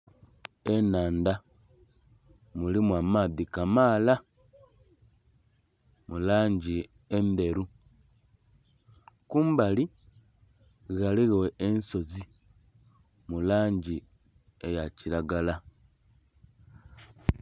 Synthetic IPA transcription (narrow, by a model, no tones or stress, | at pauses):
enaːnda | mulimwamaðikamaːla | mulaːɲɟi | ende̞ɾu | kumbali | ɣaliɣeweenso̞t͡si | mulaːɲɟi | ejacilaɡala